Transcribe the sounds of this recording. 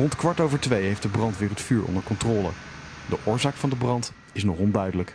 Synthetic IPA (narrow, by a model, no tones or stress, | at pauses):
rɔntkʋɑɹtowvəɹtʋejɦejftdəbrɑntʋɪːrətfyːɹɔ̰ndəɹkɔntrɔːlə̰ | dəʔʊːɹzaːkfɑndəbrɑnt | ɪsnɔχɔndœɥdələk